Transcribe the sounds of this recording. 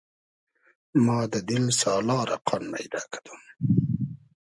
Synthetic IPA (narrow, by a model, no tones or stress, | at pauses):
mɑːd̪əd̪ɪlsɑːlɑːɾʔa̰qʰɑnma̰jd̪ɑːkḁd̪u̥m